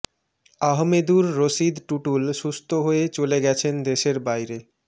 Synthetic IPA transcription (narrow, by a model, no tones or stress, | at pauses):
aɦmed̪uɾːoʃid̪ʈuʈulʃust̪ʰoɦoet͡ɕoleɡɛt͡ɕʰend̪eʃeɾbajɾe